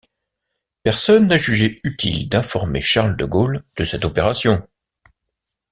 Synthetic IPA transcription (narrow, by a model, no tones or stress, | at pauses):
pɛʁsɔnːaʒyʒeyt̪ʰḭld̪ɛ̃fɔʁmḛʃaʁld̪əɡold̪̥əsɛt̪ɔpeʁasjɔ̃